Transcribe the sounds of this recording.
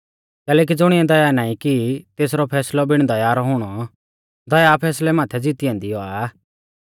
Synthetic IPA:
kɛːlɛːk̬id͡zʊɽ̃ɪɛ̃d̪ɐjanaːĩkit̪eːsɾɔpʰɛːslɔbɪɽ̃d̪ɐjaːɾɔɦʊɽ̃ɔ | d̪ɐjapʰɛːslɛmaːt̪ʰɛd͡zɪt̪ɪɛ̃ːnd̪ijɔa

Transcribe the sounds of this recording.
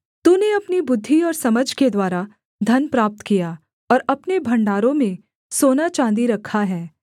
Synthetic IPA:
t̪uːneɐpnibʊd̪ʱːiɔːɾsɐməd͡ʒʱked̪waːɾa | d̪ʱɐnpɾaːp̚t̪kija | ɔːɾɐpnebʱɐ̃ɳɖaːɾõmẽ | soːnat͡ʃãːnd̪iɾɐkʰːaɦɛː

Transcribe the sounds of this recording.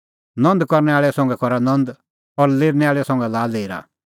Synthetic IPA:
nɔ̃nd̪kɐɾnɛaːɭɛsɔ̃ʊ̃ŋɡɛkɔɾanɐ̃nd̪ | ɔɾleːɾnɛaːɭɛsɔ̃ʊ̃ŋɡɛlaːleːɾa̰

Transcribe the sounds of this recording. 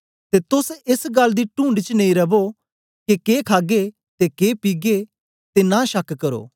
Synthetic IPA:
t̪eːt̪ʊsɪsɡɐlːd̪iʈũːɳɖt͡ʃnɐ̃ĩɾɐbo | kekeːkʰaːɡe | t̪ekeːpiːɡe | t̪enãːʃɐkkɐɾo̰ː

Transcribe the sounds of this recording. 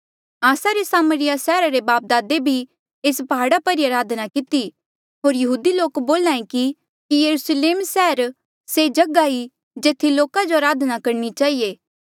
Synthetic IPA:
aːsaɾesaːməɾɪjasɛːɾaɾebaːp̚d̪aːd̪ebʱi | eːspɐɦaːɽapɐɾiaɾaːd̪ʱnakɪt̪i | ɦoːɾjɐɦuːd̪iloːkboːlãːẽki | kijɐɾusleːmsɛːəɾ | sed͡ʒɐɡai | d͡ʒeːt̪ʰːiloːkad͡ʒoɐɾaːd̪nakɐɾnit͡ʃaːɦijeː

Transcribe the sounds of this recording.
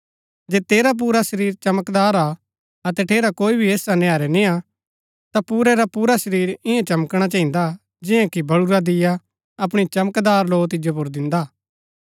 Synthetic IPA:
d͡ʒeːt̪eːɾap̬uːɾaʃɐɾiːɾt͡ʃɐməkd̪aːɾa | ɐt̪ɛʈʰeːɾakoːibʱieːsanɛaːɾɛnĩa | t̪apuːɾɛɾapuːɾaʃəɾiːɾɪjãt͡ʃɐməkɽ̃at͡ʃãɦɪ̃nd̪a | d͡ʒɪ̃jãkibɐɽuɾad̪ɪja | ɐp̬ɽ̃it͡ʃɐməkd̪aːɾloːt̪̬ɪd͡ʒjop̬ʊɾd̪ɪ̃nd̪aː

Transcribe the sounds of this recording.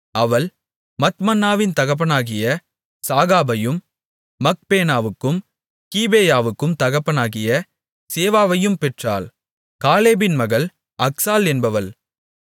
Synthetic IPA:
ɐʋɐl | mɐt̪mɐnːaːʋɪnt̪ɐɣɐp̬ːɐnaːɣɪjɐ | saːɣaːbɐjɯmː | ɐk̚peːnaːʋɯkːɯm | kiːbeːjaːʋɯkːɯmt̪ɐɣɐpːɐnaːɣɪjɐ | seːʋaːʋɐjɯmpɛʈra̰ːl | kaːleːbɪnmɐɣɐɭ | ʔɐksaːlɛnbɐʋɐl

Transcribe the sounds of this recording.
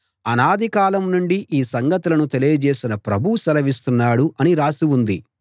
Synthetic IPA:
ɐnaːd̪ʱikaːlɐmnuɳɖiʔiːsɐŋɡɐt̪ulɐnut̪elijɐd͡ʒeːsinɐpɾɐbʱuusɐlɐʋist̪unːaːɽuʔɐniɾaːsiʋund̪i

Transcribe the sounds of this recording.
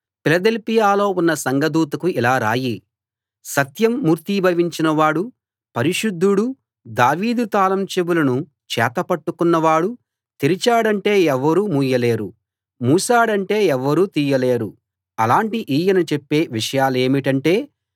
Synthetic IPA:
pilɐd̪elpijaːlo̞ːunːɐsɐŋɡɐd̪uːt̪ɐkuilaːɾa̰ːji | sɐt̪jɐmːuːɾt̪iːbʱɐʋiɲt͡ʃinɐʋaːɽu | pɐɾiʂud̪ʱːuɽu | d̪aːʋiːd̪ut̪aːlɐmt͡ʃebulɐnu | t͡ʃɛ̰ːt̪ɐpɐʈːukunːɐʋaːɽu | t̪iɾit͡ʃaːɽɐɳʈe̞ːɛʋːɐɾuːmuːjɐle̞ːɾṵ | muːsaːɽɐɳʈe̞ːɛʋːɐɾuːt̪iːjɐle̞ːɾu | ɐlaːɳʈiʔiːjɐnɐt͡ʃepːe̞ːʋiʂɐjaːle̞ːmiʈɐɳʈe̞ː

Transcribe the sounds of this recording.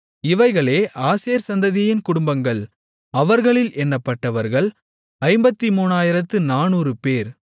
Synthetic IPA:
ɪʋɐɪɣɐɭeːʔaːseːɐɾsɐnd̪ɐðɪjɪnkʊɽʊmbɐŋɡɐɭ | ɐʋɐɾɣɐɭɪlʔɛnːɐpːɐʈːɐʋɐɾɣɐɭ | ɐɪmbɐt̪ːimuːnaːjɪɾɐt̪ːɯnaːnuːrɯpeːɾ

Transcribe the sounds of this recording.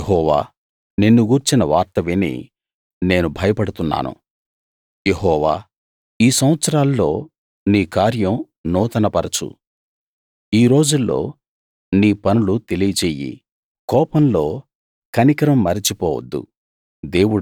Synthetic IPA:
ɦɔːʋa̰ː | nenːuɡuːɾt͡ʃinɐʋaːɾt̪ɐʋenḭ | ne̞ːnubʱɐjɐpɐɽut̪unːa̰ːnṵ | jeɦɔːʋaː | iːsɐm̃ʋɐt̪sɐɾaːlːo̞̰ː | niːkaːɾjɐm | nɔːt̪ɐnɐpɐɾɐt͡ʃṵ | iːɾo̞ːd͡ʒulːo̞̰ː | niːpɐnulut̪e̞lijɐt͡ʃeːjḭ | kɔːpɐmlo̞ː | kɐnikɐɾɐmːɐɾit͡ʃipɔːwɐ̰d̪ːṵ | d̪e̞ːwu

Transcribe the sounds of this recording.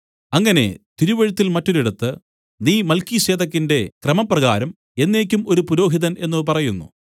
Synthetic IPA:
ɐŋːɐne̞̰t̪iɾuʋɐɻut̪ːilmɐtːo̞ɾiɽɐt̪ːɨ | niːmɐlkiɕeːd̪ɐk̬ːinde̞krɐmɐprɐɣaːɾɐm | e̞nːe̞ːk̬ʲːumo̞ɾupuɾo̞ːɦiðɐne̞nːɨpɐrɐjunːṵ

